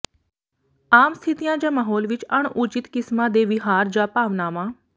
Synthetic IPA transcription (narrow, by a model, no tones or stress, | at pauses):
aːmst̪ʰɪt̪ijãːd͡ʒãːmaːɦoːlʋɪt͡ʃəɳut͡ʃɪt̪kɪsmãːd̪eːʋɪɦaːɾd͡ʒaːpaːʋnaːʋãː